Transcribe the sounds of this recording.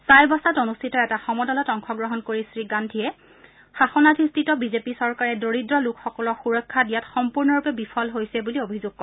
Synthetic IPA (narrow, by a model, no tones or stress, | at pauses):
sajbɔsatonustʰitɔɛtaxɔmɔdɔlɔtɔŋxɔɡɹɔɦɔnkoɹisɹiɡandʱiɛ | xaxɔnadʰʱistʰitɔbizepisɔɹkaɹɛdoɹidɹɔlʊkxɔkɔlɔxuɹɔkʰːadijatxɔmpuɹnɔɹupɛbipʰɔlɦojsɛbuliobʱizʊɡ̚kɔɛ